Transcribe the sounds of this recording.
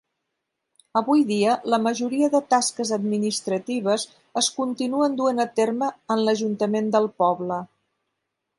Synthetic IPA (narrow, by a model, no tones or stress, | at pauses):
əβujðiələməʒuɾiəðət̪askəzəd̪minist̪ɾət̪iβ̞əz | əskunt̪inuənd̪uənət̪erməənləʒunt̪əmend̪əlˠpɔβlə